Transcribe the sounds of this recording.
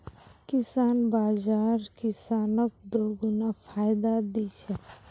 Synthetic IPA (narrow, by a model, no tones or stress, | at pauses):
kɪsaːnbaːd͡ʒaːɾkɪsaːnək̚d̪oːɡunafʰaːjd̪ad̪it͡ʃʰɛ